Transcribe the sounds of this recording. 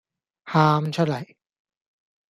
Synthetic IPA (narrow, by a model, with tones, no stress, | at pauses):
haː˧mt͡ɕʰa˥˩la˨˩˦j